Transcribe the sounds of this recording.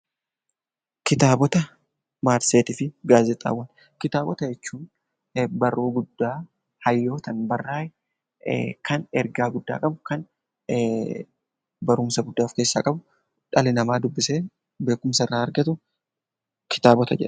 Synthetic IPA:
kɪt̪aːbɔt̪ɐ | maːɾseːt̪ɪfɪɡaːzɛt̪ʼa̰ːwːɐn | kɪt̪aːbɔt̪ɐd͡ʒɛt͡ʃːuːn | bɐrːoːɡʊd̪ːaː | hɐjːo̞ːt̪ɐnbɐrːaːjɛ | kʰɐnɛɾɡaːɡʊd̪ːa̰ːkʼɐbʊkɐn | bɐɾʊmsɐɡʊd̪ːaːfkeːsːaːkʼɐbʊ | ᶑɐlɪnɐmaːd̪ʊbːɪseː | be̞ːkʊmsɐɪrːaːɾɡɐt̪ʊ | kʰɪ̥t̪aːbɔt̪ɐd͡ʒɛ̰ᶑɐ̥

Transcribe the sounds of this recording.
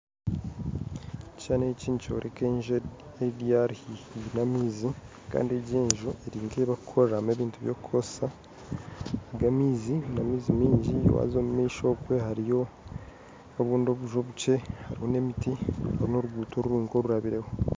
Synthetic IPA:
aːneciːnco̞̰ɾʔekeɲʒe | ediaɾhihinamiːzi | ka̰ːndie̞ɟeːɲʒuʔeɾiːŋɡeβakukʰoɾame̞βiːntuβjokukʰose̥sa | ɡamiːzinamiːzimiːɲɟḭwa̰zomumiːʃo̞ːkwe̞haɾijo̞ | oβuːndo̞βuʒo̞βut͡ʃe̞haɾiho̞ne̞mitihaɾino̞ɾuɡuːtʰo̞ɾuɾuːŋɡo̞ɾuɾaβiɾe̞ho̞

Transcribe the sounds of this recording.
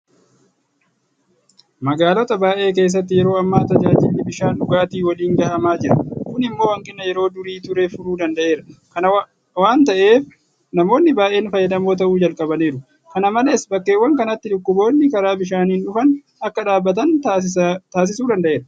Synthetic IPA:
mɐɡaːlɔt̪ɐbaːʔe̞ːk̬e̞ːs̬ːɐt̪ːɪjɛɾo̞ːɐmːaːt̪ɐd͡ʒaːd͡ʒɪlːɪbɪʃaːnᶑʊɡaːt̪iːwɐliːŋɡɐːʔɐmaːd͡ʒɪɾɐkʊnɪmːo̞ːhɐŋkʼɪnːɐjɛɾo̞ːd̪ʊɾiːt̪ʊɾefʊɾuːd̪ɐnd̪ɐʔe̞ːɾɐkɐnɐ | waːnt̪ɐʔe̞ːf | nɐmo̞ːnːɪbaːʔe̞ːnfɐjːɐd̪ɐmo̞ːt̪̬ɐʔuːd͡ʒɐlkʼɐbɐneːɾʊ | kɐnɐmɐlɐɪsbɐkːe̞ːwːɐŋkɐnɐt̪ːɪᶑʊkːʊbo̞ːnːɪkɐɾaːbɪʃ̬aːniːnᶑʊfɐn | ʔɐkːɐᶑaːbːɐt̪̬ɐn | t̪aːs̬ɪsuːd̪ɐnd̪ɐʔe̞ːɾɐ

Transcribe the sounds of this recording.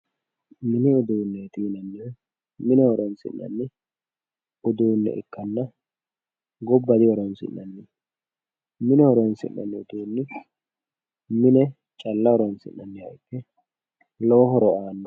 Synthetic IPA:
mɪnɪʊd̪uːnːɛt̪iːnɐnːɪ | mɪnɛhɔɾɔnsɪ̰nːɐ̰nːɪ | ʊd̪uːnːɛ̰ʔɪ̰kːɐnːɐ | ɡɔbːɐd̪ɪwɔɾɔnsɪ̰nːɐnːɪ | mɪnɛhɔɾɔnsɪ̰nːɐ̰nːɪʊd̪uːnːɪ | mɪnɛ | t͡ʃʼɐlːɐɔɾɔnsɪ̰nːɐnːɪhɐjkːɛ | loːɦɔɾɔaːnːɔ

